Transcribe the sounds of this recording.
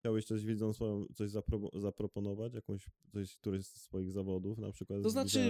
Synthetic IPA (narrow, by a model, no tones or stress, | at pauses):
t͡ɕawɛɕt̪sɔʑvʲid̪zɔ̃nsfɔjɔ̃w̃t̪sɔʑzapɾɔzapɾɔpɔnɔvat͡ɕjakɔ̃w̃ɕt̪ɔɕt̪uɾɘst̪ːfɔjiɣzavɔd̪ufna̰pʂɘkwat̪t̪ɔznat͡ʂɘ